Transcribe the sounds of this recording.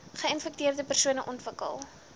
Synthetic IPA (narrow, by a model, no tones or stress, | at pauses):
χəənfɛk̚tiərdəpərsuənəʔɔntvəkə̰lˠ